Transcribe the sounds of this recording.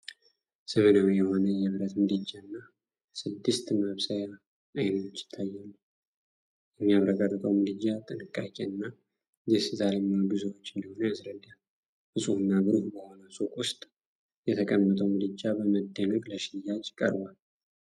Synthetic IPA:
səmənawjɛho̞nəjɛβɨɾət̪mɨlɨd͡ʒːanːa | sɨd̪ːɨst̪məβsəja | ajnət̪ʰo̞t͡ʃːjɪ̥t̪ʰːajːalːu | jɛmːijaβɾəkʼarːɨt̪ʼəwmɨlɨd͡ʒːat̪ʼɨnɨkʼːakʼeɨnːa | jɛsɨzaɾeməlɡɨzəwot͡ʃːɨnd̪əho̞nəasɾəd̪a | bɨsʼuhɨnːabɨɾuhbəho̞nəsukʼʊst̪ʼ | jɛt̪ʰəkʼəmːət̪ʼəwmɨlɨd͡ʒːabəməd̪ːənəkʼləʃɪjːad͡ʒkʼə̰ɾbal

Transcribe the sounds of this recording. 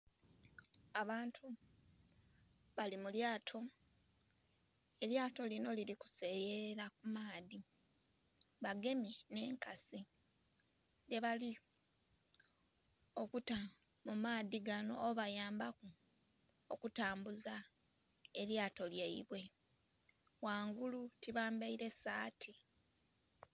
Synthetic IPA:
aβaːntʰu | βalimuljaːtʰo̞ | e̞ljaːto̞lino̞liɾiku̥se̞jeɾakumaːði | βaɡe̞mine̞ːŋkasi | de̞βali | o̞kutamumaːðiɡano̞̰ːβajaːmbaku | okutaːmbuza | e̞ljaːto̞lje̞ḭβwe̞ | waːŋɡulutiβaːmbaiɾe̞saːtʰi

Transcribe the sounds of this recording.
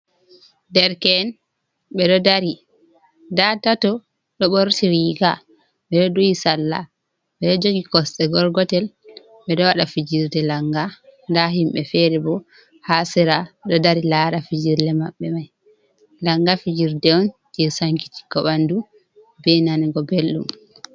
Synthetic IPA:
dɛɾkɛn | ɓɛɗɔdaɾi | datatɔ | ɗɔɓoɾtiɾiɡa̰ | ɓɛɗɔdoisalːa̰ | ɓɛɗɔd͡ʒoɡikɔsɗɛɡɔɾɡɔtɛl | ɓɛɗɔwaɗafid͡ʒiɾdɛlaŋɡandaɦimɓɛfɛɾɛbɔ | hasɛɾaɗɔdaɾilaɾafid͡ʒiɾlɛmaɓːɛmaj | laŋɡafid͡ʒiɾdɛɔnd͡ʒɛsaŋki̥ti̥kɔɓandu | bɛnaniɡɔbelɗṵm

